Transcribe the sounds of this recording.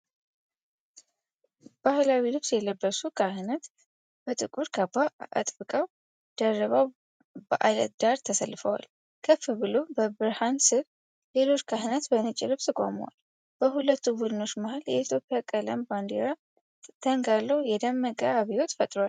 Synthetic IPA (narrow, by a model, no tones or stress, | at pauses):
b̥ahlawilɨβsjɛləbːəsukʰaɦɨnət̪ | b̥ət̪ʼɨkʼuɾkʰabaʔa̰t̪ʼbɨkʼaw | d̪̥ərːəβaw | bəʔa̰lə̰t̪̚d̪̥aɾt̪ʰəsəlːɨfəwa̰l | kʰəfɨbɨlo̞bəbɨɾhansɨɾ | le̞lo̞t͡ʃːkʰahɨnət̪bənət͡ʃʼːɪlɨβt̪ʰɨkʼo̰məwa̰l | b̥əɦulət̪ʰːubud̪ɨno̞t͡ʃːmahaljɛit̪ʰjo̞pʼːjakʼələmband̪eɾa | t̪ʰəŋɡalːəwjɛd̪əmːəkʼəaβiwo̞t̪fət̪ʼɾowal